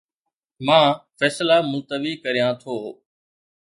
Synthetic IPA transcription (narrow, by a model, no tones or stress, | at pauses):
mãːfɛːslaːmʊlt̪əʋiːkəɾijãːt̪ʰoː